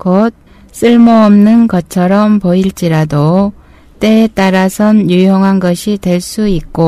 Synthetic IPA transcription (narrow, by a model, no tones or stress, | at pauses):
kot̚ | s͈ɯɭmʌʌmnɯnɡʌt͡ɕʰʌɾʌmpoiɭt͡ɕ͈iɾado | t͈e̞ːt͈aɾasʰʌnjujʌŋɦanɡʌɕʰitwe̞ɭs͈uik̚k͈o